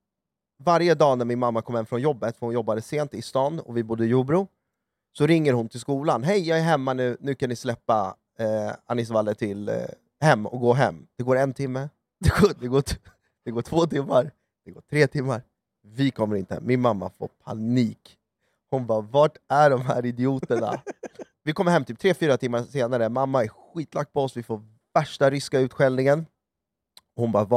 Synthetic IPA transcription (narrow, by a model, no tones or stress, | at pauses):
vaɾjəd̪ɑːnæmɪnmamːakʰɔmhɛmfɾɔnjɔbːət̪fœɾhʊnjɔbːad̪əseːnt̪ɪst̪ɑːnɔ̰vɪbʊd̪ːəɪjuːbɾuː | sɔɾɪŋːəɾhʊnt̪ʰɪlskuːlanɦɛjjɑːɡæɾɦɛmːanʉ̟ːnʉ̟ːkanːɪslɛpːa | anːɪs̬valːəʈʰɪl | hɛmːɔ̰k̚ɡoːɦɛ̰mːd̪̥ɛɡoːɾɛnt̪ʰɪmːə | d̪̥ɛɡoːd̪ɛɡoːʈʰ | d̪̥ɛɡoːʈʰvoːt̪ʰɪmːaɾ | d̪̥ɛɡoːʈʰɾeːt̪ʰɪmːaɾ | vɪkʰɔmːəɾɪnt̪əə̰mɪnmamːa̰fo̰ːpʰa̰niːk | hʊnbɑːvɑːʈæɖɔmɦæ̰ːɾɪd̪ɪuːt̪əɳa̰ | vɪkɔməɾɦɛmːt̪ʰyːp̚t̪ʰɾeːfyːɾat̪ʰɪmːaseːnaɾəmamːaæɾɧiːt̪ʰlak̚t̪pʰɔɔsvɪfoːɾ | væʂʈaɾʏskaʉ̟ːt̪ɧɛlnɪŋən | ɔhʊnbɑːv